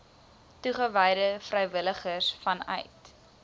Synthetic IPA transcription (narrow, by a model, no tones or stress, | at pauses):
tuχəvɛjdəfrɛjvələχəsfɐnœ̰jt